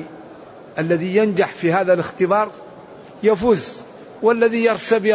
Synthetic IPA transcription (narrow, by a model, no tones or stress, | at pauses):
ʔalːaðijand͡ʒaħfiɦaːðalɪxt̪ɪbɑːɾˤ | jafuːz | walːaðijɑɾˤsab